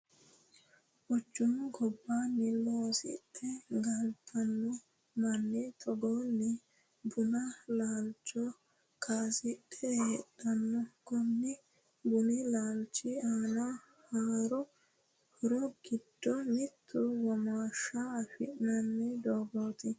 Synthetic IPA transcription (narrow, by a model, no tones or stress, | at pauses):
ʔɔt͡ʃːʊmɡɔbːanːɪloːsɪ̰t̪ːɛɡɐlt̪ʰɐnːɔ | mɐnːɛt̪ʰɔɡɔnːɛ | bʊnɐlaːlt͡ʃʼːɔ | kʰaːsɪt̪ʰːɛːtːɐnːɔkɔnːɛ | bʊnɛlaːlt͡ʃːɪaːna | haːɾɔ | hʊɾɔɡ̥ɪd̪̥ːɔmɪt̪ʰːʊwɔmaːʃaːfɪ̰ʔnɐnːɛd̪oːɡoːt̪ɪ